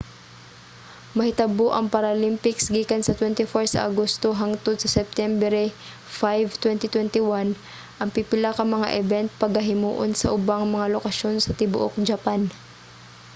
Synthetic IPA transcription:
mɐhɪt̪ɐboʔɐŋpɐɾɐlimpɪksɡiːkɐnsɐt̪wɛnt̪ɪfoɹsɐ̰ʔa̰ɡost̪oɦaŋt̪od̪̚sɐsɛp̚t̪ɛmbɛɾɛ | fajvt̪wɛnt̪ɪt̪wɛnt̪ɪwan | ʔɐŋpipɪlakɐŋmɐŋa̰ʔɛvɛnt̪̚pɐɡhɐɦɪmṵːʔonsɐʔʊbaŋmɐŋalokɐʃo̞nsɐt̪ɪbʊʔo̰k̚d͡ʒɐpan

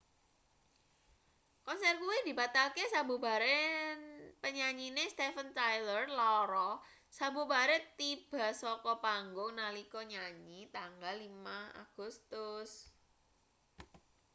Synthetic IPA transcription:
kɔnsɛrkuwid̪̥i̤bat̪alkesabuba̤ɾe | pəɲaɲinest̪efənt̪ajlərlaɔɾɔ | sabubaɾɛt̪ib̥a̤sɔkɔpaŋɡʊŋnalikɔɲaɲit̪aŋɡalːimaa̰ɡ̥ṳst̪ʊs

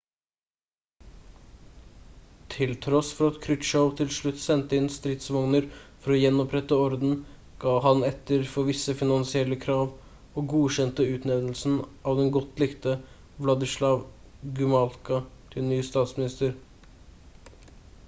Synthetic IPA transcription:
t̪ʰɪlt̪ʰɾɔsfɔɾɑt̪kʰɾʏt̪ʃəʊt̪ʰɪlʂɭʉt̪ːsɛnt̪əɪnst̪ɾɪt̪sʋɔŋnəɾfɔɾɔjɛnːɔpɾɛt̪əɔɾd̪n̩ɡ̥ɑːɦɑnɛt̪ːəɾfɔʋɪsːəfɪnɑnsɪɛlːəkʰɾɑːʋ | oːɡuːʃɛnt̪əʉːt̪neːd̪l̩sn̩ʔɑːʋd̪ɛnɡɔt̪lɪkt̪ə | ʋlɑd̪ɪʂlɑːʋ | ɡʉmɑlkɑt̪ʰɪlnyːst̪ɑːt̪smɪnɪst̪əɾ

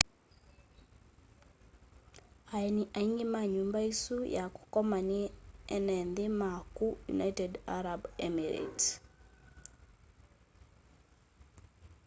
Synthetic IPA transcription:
ajeniʔaiŋɡemaɲumbaisujaku̥kɔmaniɛnɛnðemakujṵnajtɛdaɾabɛmiɾḛt

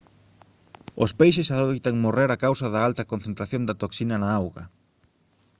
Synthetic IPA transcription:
ospejʃesaðot̪aŋmoreɾakawsɐðaalt̪ɐkonθent̪ɾaθjõnd̪ɐt̪oksinɐnaawɣɐ

